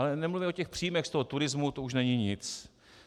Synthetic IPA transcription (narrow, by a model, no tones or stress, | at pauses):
alɛnɛmluvɪocɛxpr̥ijimɛxst̪oɦot̪uɾɪzmut̪ouʃnɛɲɪɲɪt͡s